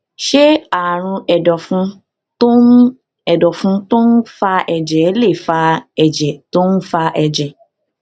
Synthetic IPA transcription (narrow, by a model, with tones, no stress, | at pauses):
ʃe˦a˦˨ɾ̃ũ˧ɛ˨dɔ˨fũ˧˦ | tõ˦ | ɛ˨dɔ˨fũ˧to˦n̩˦fa˧ɛ˧˨d͡ʒɛ˨˦le˦˨fa˧ɛ˨d͡ʒɛ˨to˦nũ˦fa˧ʔɛ˧˨d͡ʒɛ˨